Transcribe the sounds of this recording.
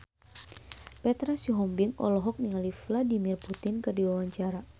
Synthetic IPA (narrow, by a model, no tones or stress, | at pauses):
pɛt̪ɾasiɦɔmbɪŋɔ̰lɔɦɔk̚niŋalifladimirput̪ɪnkɨrdiwawaɲt͡ʃaɾa